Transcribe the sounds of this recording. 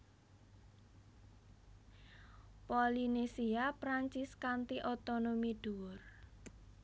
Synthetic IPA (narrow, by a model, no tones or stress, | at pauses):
polinesiapɾaɲt͡ʃɪskant̪iʔot̪onomiɖ̥uwʊr